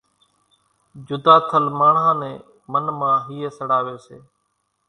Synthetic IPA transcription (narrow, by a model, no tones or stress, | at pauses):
d͡ʒʊd̪aːt̪ʰəlmaːɳãːnẽː | mənmãːɦiːeːsəɽaːʋeːsḛː